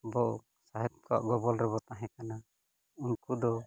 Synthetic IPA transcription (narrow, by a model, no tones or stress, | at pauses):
bɔʔ | saɦɛt̪̚kɔa̰ʔɡɔbɔlɾɛβɔt̪aɦɛ̃kana | unkud̪ɔ